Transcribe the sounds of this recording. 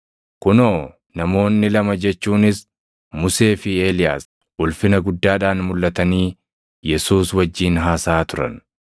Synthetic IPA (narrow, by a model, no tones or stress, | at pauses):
kʊnoː | nɐmo̞ːnːɪlɐmɐd͡ʒɛt͡ʃːuːnɪs | mʊse̞ːfɪeːlɪja̰ːs | ʔʊlfɪnɐɡʊd̪ːaːᶑaːnmʊlːɐt̪ɐniː | jɛsuːswɐd͡ʒːiːnɦaːsaːt̪ʊɾɐ̰n